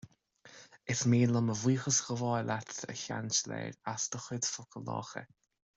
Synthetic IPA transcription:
ɪsmiːləməviːxəsɣəvɔjlat̪ʰə̰çant͡ʃlɛ̰ːɾasd̪̥əxɪd̪fʊkʰəlɔ̰ːxə̰

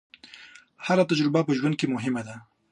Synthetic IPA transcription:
haɾat̪ad͡ʒɾɪbapəʒwɐnd̪̚kemʊɦɪmad̪a

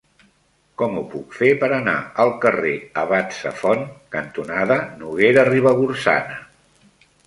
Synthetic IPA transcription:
kɔmupukfepəɾəna̰əlˠkəreəβasəfɔnkənt̪unaðənuɣeɾəriβ̞əɣursa̰nə

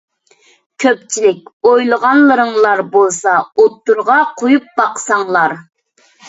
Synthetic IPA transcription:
kʲʰøp̚t͡ʃʰilɪk̚ʲojlˠəʁɑnlˠəɾəŋlˠɑɾbolˠsɑot̪ːuɾʁɑqʰojup̚bɑqsɑŋlˠɑɾ

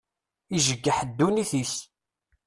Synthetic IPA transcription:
iʒəɡːəħəd̪ːuniθis

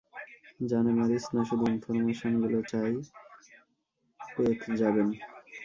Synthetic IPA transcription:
d͡ʑanemaɾisnaʃud̪ʱuinfoɾmeʃonɡulot͡ɕaj | poekd͡ʑaben

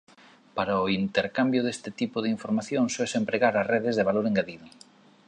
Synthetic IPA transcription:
paɾaʊint̪eɾkambjʊðest̪ɪt̪ipʊðeiɱfoɾmaθjoŋsoesempɾeɣaɾasreðɪzðeβ̞aloɾeŋɡaðiðʊ

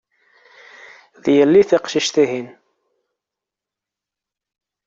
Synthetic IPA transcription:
ðjəlːiθiqʃiʃθiɦin

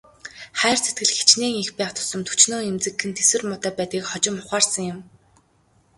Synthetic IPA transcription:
χæːrt͡sʰet̪ɡɘ̆ɮxe̥t͡ɕneːŋixpæːχt̪ʰʊ̥sə̆mt̪ʰu̥t͡ɕnoːemt͡sɘ̆kːɘ̆nt̪eswɘ̆rmʊt̪æːpæːt̪iːkχɔt͡ɕɪ̆mʊχaːrsə̆ŋjɪ̆m

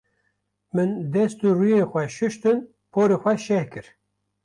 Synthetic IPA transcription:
mɨnd̪ɛst̪urujexʷɛʃɨʃt̪ɨn | pʰoːɾexʷɛʃɛhkɨɾ

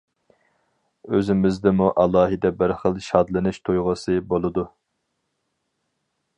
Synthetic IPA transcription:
øzɪmɪzd̪ɪmuʔɑlˠɑːɦɨd̪ɛbɪɾχəlˠʃɑd̪lˠɨnɨʃt̪ʰojʁəsɨbolˠɨd̪u

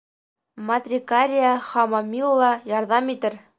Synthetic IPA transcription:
mɐt̪rʲikaɾʲɪjəχɑmɑmʲilˠːɑjɒɾðɑmit̪ɘɾ

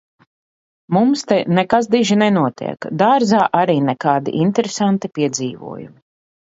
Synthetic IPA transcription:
mumst̪ɛnɛkas̬d̪iʒinɛnuɔt̪ḭɛkd̪aɾzaːʔaɾiːnɛkaːd̪ḭʔint̪ɛɾesant̪ipiɛd̪ziːvṵɔjṵmi

